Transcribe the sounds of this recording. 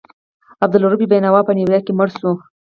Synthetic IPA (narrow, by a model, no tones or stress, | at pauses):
ab̚d̪ʊluɾubibajnawɑpəniwjɑkeməɽsu